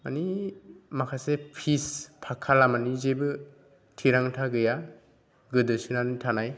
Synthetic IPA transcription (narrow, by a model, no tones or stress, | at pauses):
manimakʰasepʰispʰakʰalamanizebɯ | tʰiɾaŋtʰaɡɯja | ɡɯdɯsɯnanitʰanaj